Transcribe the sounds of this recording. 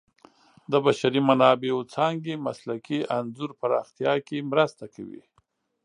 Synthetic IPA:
d̪əbaʃaɾimanɑbeot͡sɑŋɡemaslakiʔanzuɾpaɾɑ̰xt̪jɑkemɾast̪akʰa̰wḭ

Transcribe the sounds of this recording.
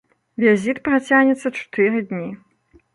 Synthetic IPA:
vʲizʲit̪pɾat͡sʲaɣnʲɛt̪sːɐt͡ʂu̥t̪ɨɾɨd̪ʲnʲi

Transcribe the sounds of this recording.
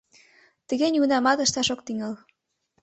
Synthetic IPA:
t̪ə̆ɣenʲunɑmɑt̪ə̆ʃt̪ɑʃok̚t̪iŋɤl

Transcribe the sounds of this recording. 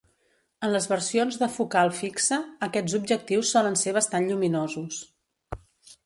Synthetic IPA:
ənləzβəɾsionzðəfukalˠfiksəːkɛd͡zzub̚ʒək̚t̪iwsːɔlənseβ̞əst̪anʎuminozus

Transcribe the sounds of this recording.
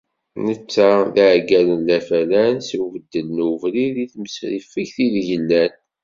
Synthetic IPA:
nət͡sːaðæʕɡælənlæfælænsivəd̪ːəlnuvliliθməsɾifiçθilʝənːæn

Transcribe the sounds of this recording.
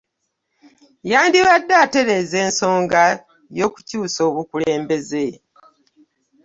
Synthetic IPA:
jaːndiβadːaːte̞ɾe̞zeːnso̞ːŋɡa | jo̞ːku̥cuːso̞ːβukule̞ːmbe̞ze

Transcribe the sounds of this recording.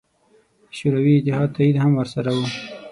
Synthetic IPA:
ʃuɾawiɪt̪ɪhɑd̪̚t̪aid̪hamwəɾsaɾawu

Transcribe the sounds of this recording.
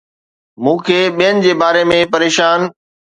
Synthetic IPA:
mũːkʰeːɓijənɪ̆d͡ʑeːbaːɾemẽpɐɾeːʃaːn

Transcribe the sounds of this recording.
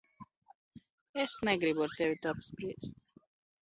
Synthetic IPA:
ɛsnɛɡɾibɔɾt̪ɛwit̪ɔpsbɾist̪

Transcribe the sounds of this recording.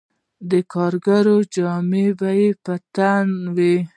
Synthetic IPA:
d̪əkʰɑɾɡaɾod͡ʒɑmebajepat̪anwi

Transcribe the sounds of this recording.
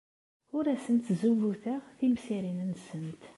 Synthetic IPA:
ʊɾæsənt̪zuvuθæθimsiɾinənːsənt̪

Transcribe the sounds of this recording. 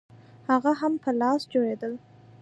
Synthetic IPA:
haɣaɦampʰəlɑsd͡ʒojed̪əl

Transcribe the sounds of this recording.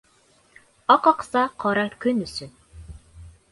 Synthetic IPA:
ɑqɑqsɑqʰɑɾɑkɵnysɵ

